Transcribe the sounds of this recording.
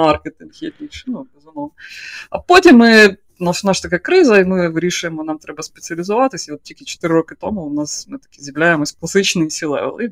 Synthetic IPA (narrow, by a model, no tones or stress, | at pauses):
arkʲɨt̪ɐnʲxʲetʲnʲiʂɨnubʲɪzumoɐpotʲɪmːɨ | nasʊnaʂə̥t̪ɐkajkɾɨzəimɨɾʲiʂɨjɪmnamt̪ɾʲɛbəspʲɪt̪sɨəlʲɪzɐvat̪əsʲɪot̪̚tʲikʲɪt͡ɕɪ̥t̪ɨɾʲɪɾokɨt̪oməʊnasmɨt̪ɐ̥kʲizʲɪmlʲæjɪmɨsklˠɐsɨt͡ɕnɨjsʲɪlˠɛ̰vʲɛ̰lˠi